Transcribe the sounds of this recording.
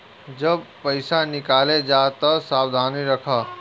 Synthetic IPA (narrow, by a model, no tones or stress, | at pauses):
d͡ʒəbpəɪsanɪkaːled͡ʒaːt̪ɐsaːwd̪ʱaːniɾɐkʰaː